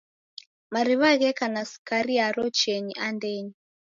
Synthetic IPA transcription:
maɾiβaɣɛkanasi̥kaɾiaɾɔt͡ʃɛɲiʔandɛɲi

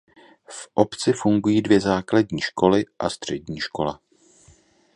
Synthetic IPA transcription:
fʔo̞pt͡sɪfuŋɡujiːdvjɛzaːklaɟɲiːʃko̞lɪʔa̰st̪r̝̥ɛɟɲiːʃko̞la

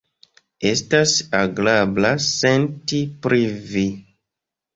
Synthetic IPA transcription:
e̞stasaɡlablase̞ntipɾivi

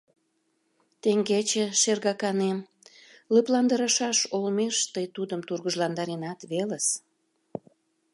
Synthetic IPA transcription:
t̪eŋɡet͡ɕeʃerɣɑkɑnem | ləplɑnd̪əɾɑʃɑʃolmeʃt̪əjt̪ud̪əmt̪urɣəʒlɑnd̪ɑɾenɑt̪βeləs

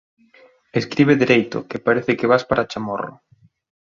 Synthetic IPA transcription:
eskɾiβ̞eðiɾejt̪ʊ̰kepaɾeθɪkɪβaspaɾat͡ʃamo̰rʊ̰

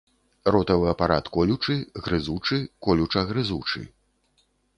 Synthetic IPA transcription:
rɔt̪ɐvɨɐpaɾat̪kɔlʲut͡ʂɨɣɾɨzut͡ʂɨkɔlʲut͡ʂɐɣɾɨzut͡ʂɨ̰

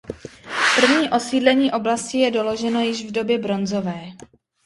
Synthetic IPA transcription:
pr̩vɲiːʔo̞siːdlɛɲiːʔo̞blascɪjɛdo̞lo̞ʒɛno̞jɪʒvdo̞bjɛbɾo̞nzo̞vɛː

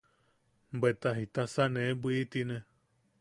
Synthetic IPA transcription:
bet̪aɦit̪asanẽbʷiit̪inẽ

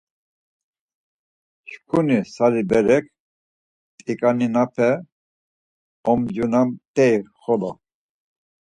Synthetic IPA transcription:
ʃkʰunisaɾibɛɾɛk̚ʰ | t̪ʼikʼaninapʰɛ | ɔmd͡ʒunamt̪ʼɛiχɔlɔ

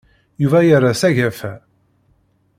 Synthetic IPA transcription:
juvæjaɾˤasæʝæfæ

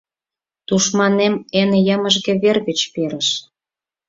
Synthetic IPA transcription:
t̪uʃmɑnemenjəməʒɣĕβerɣĕt͡ɕpeɾəʃ

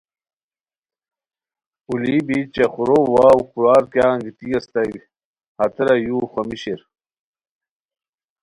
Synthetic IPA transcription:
ulibit͡ɕaxuɾowaːwukuɾaːɾkjaːŋɡit̪ijɐst̪ɐɡ | hɐt̪ɾɐjuːxʷɐmiɕiɾ

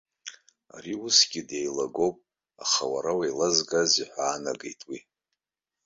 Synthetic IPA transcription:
a̰riusɡ̥ʲidejlaɡo̞wpʼ | aχawaɾawajlazɡaziħʷaːnaɡḛjtʼwi

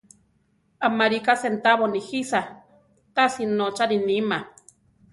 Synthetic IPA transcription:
amaɾikasent̪aβonixisa | t̪asinot͡ʃaɾinima

